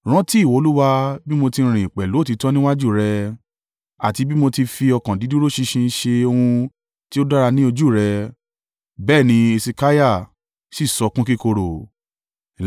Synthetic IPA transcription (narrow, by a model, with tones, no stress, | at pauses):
ɾ̃ã˨˦ti˦˨wo˨˧lu˦wa˧bi˦mo˧tĩ˧ɾ̃ĩ˨i˨k͡pɛ˨lo˨˦˨ti˨˧tɔ̃˦nĩ˦wa˦d͡ʒu˦˨ɾɛ˧ | a̰˨ti˧bi˦mo˧ti˧fi˧ɔ˧kã˨di˨˦dũ˦ɾo˦ʃi˧ʃĩ˧˦ʃe˧o˧hũ˧ | ti˦o˦da˦ɾa˧nĩ˦o˧d͡ʒu˦˨ɾɛ˧ | bɛː˦˨nĩ˧e˧si˧ka˦ja˦˨ | si˦˨sɔ˧kũ˦ki˦ko˧ɾo˨